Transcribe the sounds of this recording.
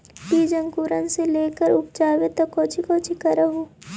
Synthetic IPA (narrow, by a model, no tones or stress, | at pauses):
tiːd͡ʒə̃ŋkuːɾənseleːkəɾʊp̚d͡ʒaːʋet̪ɔkoːt͡ʃʰikoːt͡ʃʰikəɾəɦoː